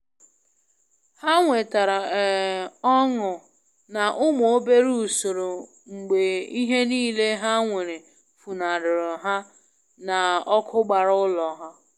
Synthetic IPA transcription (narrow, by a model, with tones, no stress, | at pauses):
ha˦ŋʷe˨ta˨ɾa˨ɔ˦ŋʊ˨ | na˨ʔʊ˦mʊ˨o˦be˦ɾu˦˨so˨ɾo˨ | ŋ͡m̩˨ɡ͡be˨i˦ɦe˦niː˦˨le˦ɦa˦ŋʷe˨ɾe˨ | fu˨na˨ɾʊ˨ɾʊ˨ɦa˦ | na˨ɔ˦kʰʊ˦ɡ͡ba˨ɾʊ˦lɔ˨ɦa˦